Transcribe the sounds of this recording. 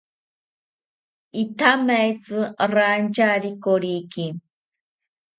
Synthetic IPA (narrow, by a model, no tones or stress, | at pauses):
it̪ʰamajt͡sɨɾant͡ʃaɾikoɾiki